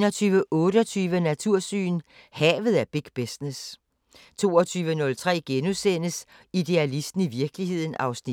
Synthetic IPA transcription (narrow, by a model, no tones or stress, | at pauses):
nɒt͡sʰyːʋəʔɔ̽ːɾ̥əɒt͡sʰyːʋənæt͡sʰuɐ̰sy̰ːn | hɛːʋð̞̩ˠæɐb̥iɡ̥b̥esnes | t͡sʰo̝̰ːɒt͡sʰyːʋənɔ̽lt͡sʰʁɛ̰ːɡ̥enusen̰əs | id̥e̝ælisd̥n̩iʋiɐɡ̥əlihe̝ð̰ˠn̩ɑ̈ʊsni